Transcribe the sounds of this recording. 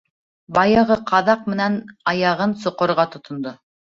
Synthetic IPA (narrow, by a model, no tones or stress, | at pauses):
bɑjɤʁɤqʰɑðɑq̚mɘ̆nænɑjɑʁɤnsŏqŏɾʁɑt̪ŏt̪ŏnd̪o